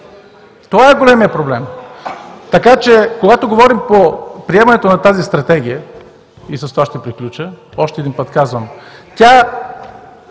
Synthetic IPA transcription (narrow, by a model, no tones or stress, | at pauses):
t̪ovaɛɡolɛmijəpɾoblɛm | t̪ɐkat͡ʃɛkoɡat̪oɡovɔɾimpopɾiɛmɐnɛt̪onɐt̪azist̪ɾɐt̪ɛɡ̟ʲijə | isɐst̪ovaʃt̪ɛpɾiklʲut͡ʃə | ɔʃt̪ɛd̪inpət̪kazvəmt̪ʲa